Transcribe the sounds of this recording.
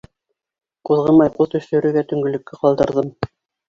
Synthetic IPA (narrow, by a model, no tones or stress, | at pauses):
quðʁɤnmɑjquðt̪ɵ̆ʃɵ̆ɾʉ̆ɡæt̪ɵ̆ŋɡɵ̆lɵ̆kːɘqɑlˠd̪ɤ̆ɾðɤm